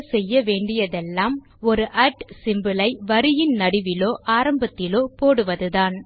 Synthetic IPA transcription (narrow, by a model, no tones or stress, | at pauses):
sɛjːɐʋeːɳɖɪjɐðɛlːaːm | ɔɾɯʔɐʈsɪmbɯlɐɪʋɐɾɪjɪnnɐɽɪʋɪloːʔaːɾɐmbɐt̪ːɪloːpoːɽɯʋɐðɯðaːn